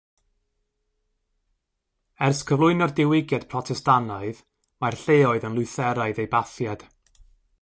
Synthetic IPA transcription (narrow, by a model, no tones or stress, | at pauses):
ɛrskʰəvlˠʊɨnɔrdɪwɪɡjad̥pʰrɔtʰɛstanɔɨð | marɬeɔɨðənlˠʊɨθɛɾaɨðejbaθjad̥